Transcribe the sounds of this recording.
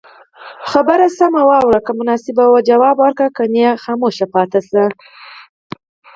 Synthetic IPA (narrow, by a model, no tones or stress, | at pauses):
xabəɾasamawɑwɾakamʊnɑsɪbawad͡ʒawɑbwaɾkakanjaxɑmoʃapɑt̪asa